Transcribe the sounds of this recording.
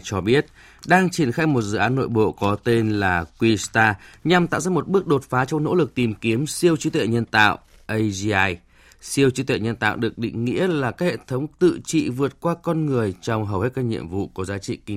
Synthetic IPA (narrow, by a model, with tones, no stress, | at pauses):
t͡ɕɔ˧ɓi˦˥ət̚ | ɗaː˧ŋt͡ɕi˧˩ənxaː˧jmo˨˩t̚zɨ̰˧˨ʔaː˨˦nːo̰˧˨jɓo̰˧˨kɔ˨˦t̪e˧nlaː˨˩kwi˧st̪aː˧ɲa˨˩mt̪a̰ː˧˨wzaː˧˩mo˨˩t̚ɓɨ˦˥ək̚ɗo˨˩t̚faː˨˦t͡ɕɔ˧wŋ͡mno̰˧˥lɨ˨˩k̚t̪i˨˩mki˨˦əmsi˧əwt͡ɕi˨˦t̪wḛ˧˨˩ɲə˧nt̪a̰ː˧˨w | ʔə˧jzaː˧j | si˧əwt͡ɕi˨˦t̪wḛ˧˨˩ɲə˧nt̪a̰ː˧˨wɗɨ˨˩ə˩k̚ɗḭ˧˨ŋ̟ŋḭ˧˥əlaː˨˩kaː˦˥k̚hḛ˧˨t̪ʰə˨˦wŋ͡mt̪ɨ̰˧˨t͡ɕḭ˧˨vɨ˨˩ət̚kwaː˧kɔ˧nŋɨ˨˩əjt͡ɕɔ˧wŋ͡mɦə˨˩whe˦˥t̚kaː˧k̚ɲḭ˧˨əmvṵ˧˨ku˨˩˦zaː˨˦t͡ɕḭ˧˨ki˧